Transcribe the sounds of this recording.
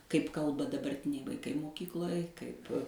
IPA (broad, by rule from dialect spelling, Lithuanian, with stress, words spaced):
kɐɪp ˈkɐlˠbɐ dɐbɐrʲˈtʲɪnʲɛɪ ʋɐɪˈkɐɪ moːˈkʲiːklˠoːj ˈkɐɪp